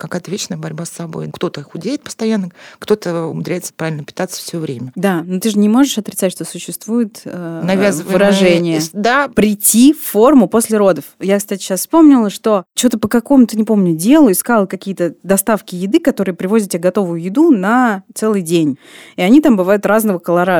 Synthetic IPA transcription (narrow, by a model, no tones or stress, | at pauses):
kɐkajət̪əvʲet͡ɕnəjəbɐɾʲbasːɐbo̞̰jkt̪o̞t̪əxʊdʲeɪt̪̚pə̥st̪ɐjanːəkt̪o̞t̪əʊ̰mʊd̪ɾʲæjɪt̪sə̥pɾavɪlʲnəpʲɪ̥t̪at̪sːə̥fsʲvʲovɾʲemʲəd̪anot̪ɨʐɨnʲɪmo̞ʐɨʂɐt̪ɾʲɪt̪satʲʂt̪o̞sʊɕːɪst̪vujɪt̪ənɐvʲazvɨvɨɾɐʐɛnʲɪjəd̪apɾʲɪtʲːifːo̞rmʊpo̞sʲlʲɪɾo̞d̪əfjakst̪atʲɪ̥ɕasfspo̞mnʲɪlˠəʂt̪o̞t͡ɕot̪əpəkɐko̞mʊt̪ɨnʲɪpo̞mnʲʊdʲe̞lˠʊɪskalˠəkɐkʲijət̪əd̪ɐst̪afkʲɪjɪd̪ɨkɐt̪o̞ɾɨjpɾʲɪvo̞zʲɪt̪̚tʲbʲɡɐt̪o̞vʊjʊjɪd̪unɐt̪sɛlˠɨjdʲenʲɪɐnʲit̪ambɨvajʊt̪ɾaznəvəkəlˠɐɾa